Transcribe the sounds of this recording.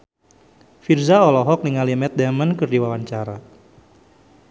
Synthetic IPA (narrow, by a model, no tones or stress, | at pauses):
firzaɔlɔɦɔk̚niŋalimɛt̪̚dɛmənkɨrdiwawaɲt͡ʃaɾa